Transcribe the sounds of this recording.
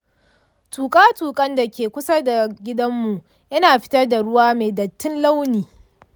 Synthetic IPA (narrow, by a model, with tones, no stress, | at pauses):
tuː˨kʼaː˦tuː˨kʼɐ˦nda˨kʲeː˨kʷʊ˦sɐ˦da˨ɡʲɪ˦dɐ˦mːu˨ʔ | jɐ˦naː˨ɸɪ̥˦tɐ˦rda˨ɽʊ˦waː˦meː˨dɐ˨tːɪ˦nla˦wniː˨